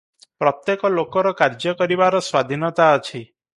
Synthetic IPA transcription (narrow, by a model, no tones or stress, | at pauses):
pɾɔt̪jekɔlokɔɾɔkaɾd͡ʒɔkɔɾibaɾɔswad̪ʱinɔt̪aɔt͡ʃʰi